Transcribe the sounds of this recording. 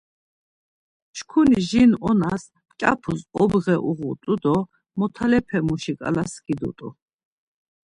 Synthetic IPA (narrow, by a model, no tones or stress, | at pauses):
ʃkʰuniʒinɔnas | t͡ʃʼa̰pʰusɔbʁɛʔuʁṵt̪ʼud̪ɔ | mɔt̪ʰalɛpʰɛmuʃikʼa̰lasɡid̪ṵt̪ʼṵ